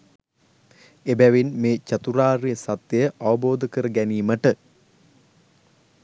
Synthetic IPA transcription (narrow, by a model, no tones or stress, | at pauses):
ebæʋinmeːt͡ʃat̪uɾaːrijəsɐt̪jəjəʔaʋəboːd̪əkəɾəɡæniːməʈə